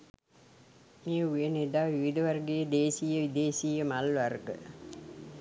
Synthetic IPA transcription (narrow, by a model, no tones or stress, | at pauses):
mijəujeneɖ̪aːʋiʋid̪ɐʋɐrɡejed̪eːsijəʋid̪eːsijəmalʋɐrɡə̰